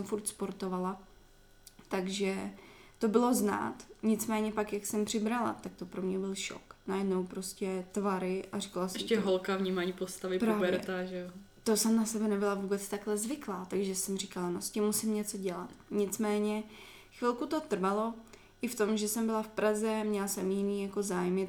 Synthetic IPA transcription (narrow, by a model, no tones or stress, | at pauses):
sɛmfuɾt̪spoɾt̪o̞vala | t̪aɡʒɛt̪o̞bɪlo̞zna̰ːt̪ɲɪt͡smɛːɲɛpakjaksɛmpr̝̥ɪbɾala̰t̪ak̚t̪o̞pɾomɲɛbɪlʃo̰knajɛdnowpɾo̞scɛt̪vaɾɪʔarikalasɛɛʃmɛɦolkavɲiːmaːɲipost̪avɪpɾaːvbɛɾɛt̪aʒɛo | t̪o̞sɛmnasɛbɛnɛbɪlavuːbɛt͡st̪aklɛzvɪklaːt̪aɡʒɛsɛmrikalanoscɪmːusɪmɲɛt͡so̞ɟɛla̰t̪ɲɪt͡smɛːɲɛ | xvɪlkut̪o̞t̪r̩valo̞ | ʔɪft̪o̞mʒɛsɛmbɪlafpɾʔazɛmɲɛlasɛmjɪniːjako̞zaːjmɪ